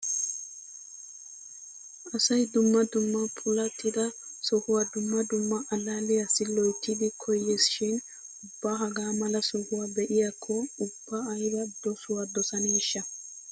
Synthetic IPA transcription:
ʔɐsɐjd̪ʊmːɐd̪ʊmːɐpʰʊlɐt̪ːɪd̪ɐsɔhʊwɐd̪ʊmːɐd̪ʊmːɐʔɐlaːlɪjasːɪlɔjt̪ːɪd̪ɪkʰɔjːesɪʃɪn | ʊbːaːɦɐɡaːmɐlɐsɔhʊwabɛʔɪjakʰːɔʊb̥ːɐːjbɐd̪ɔsʊwad̪ɔsɐniːʃːɐ

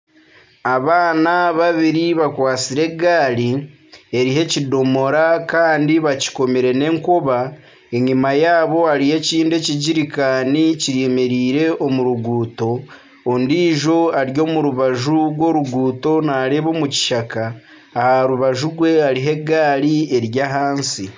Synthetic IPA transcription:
aβaːnaβaβiɾiβakwaːt͡siɾe̞ɡaːli | e̞ɾiɦe̞cido̞mo̞ɾakaːndiβaci̥ko̞meɾe̞ne̞ːŋkoβa | e̞ɲimajaːβo̞aɾihe̞ciːnde̞ciɟiɾikaːniciɾemeɾiːɾe̞o̞muɾuɡuːto̞ː | ndiːʒo̞aɾjo̞ːmuɾuβaʒuɡwo̞ːɾuɡuːto̞naːɾeβo̞muci̥ʃakaː | haɾuβaʒuɡwe̞aɾiɦe̞ɡaːlie̞ɾjaɦaːnsi

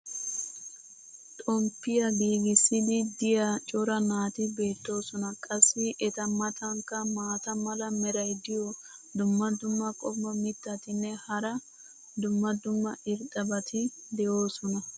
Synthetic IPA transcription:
t̪ʼɔmpːɪjɐɡiːɡɪsːɪd̪ɪd̪ɪjat͡ʃʼɔɾɐnaːt̪ɪbe̞ːt̪ːo̞ːsɔnɐkʼɐsːɪʔɛt̪ɐmɐt̪ʰɐŋkːɐmaːt̪ɐmɐlɐmɛɾɐjd̪ɪjɔd̪ʊmːɐd̪ʊmːɐkʼɔbːɐmɪt̪ːɐt̪ɪnːɛhɐɾɐ | d̪ʊmːɐd̪ʊmːɐʔɪɾt̪ʼɐbɐt̪ɪ | d̪ɛjo̞ːsɔnɐ

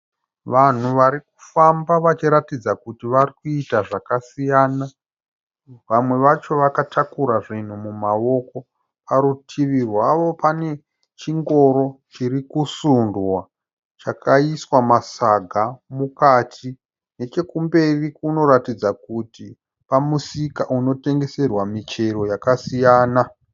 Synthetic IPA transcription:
ʋan̤uʋaɾiku̥fambaʋat͡ʃiɾatid͡zakutiʋarikuitaʐakasijaːna | ʋamwe̞ʋat͡ʃo̞ʋakatʰakuɾaʐin̤umumao̞ko̞ | paɾutʰiʋirwaʋo̞pane̞ | t͡ʃiŋɡo̞ɾo̞t͡ʃirikusundwa | t͡ʃakʰaiswamasaɡʱamukatʰi | ne̞t͡ʃe̞kumbe̞rikuno̞ɾatid͡zakuti | pamusikaʔuno̞te̞ŋɡe̞se̞rwamit͡ʃe̞ɾo̞jakasijaːna

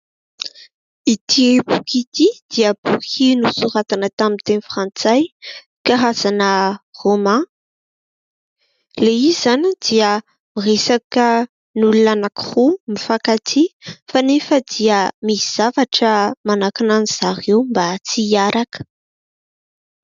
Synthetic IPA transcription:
it̪ʰibukit̪id̪̥iəb̥ukinusuɾat̪anət̪amint̪enfrãnt͡saj | kaɦaz̥anəromã | leizanid̪̥iə | miresakə | nulunanakiχumifakat̪ʰifanefəd̪iəmiz̥avaʈ͡ʂəmanakinaniz̥aɾewmbat͡siaɾakə̥

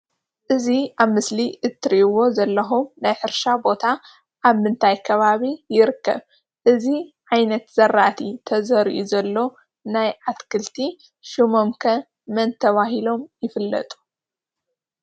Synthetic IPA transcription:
ʔɨziaβmɨsliʔɨt̪ʰːɾiʔwo̞zɐlːɐxumnajħɨɾʃabo̞t̪ʰa | ʔaβmɨnt̪ʰajkʰɐβaβijɪɾɨkːɐ̰β | ʔɨziʕajnɐt̪z̥ɐɾːaʔt̪ʰit̪ʰɐzɐɾiʔuzɐlːo̞ | najʕat̪kʰɨlt̪ʰi | ʃɨmomkʰɐ | mɐnt̪ʰɐβaɦilo̞mjɪfɨlːɐ̰t̪ʼu̥

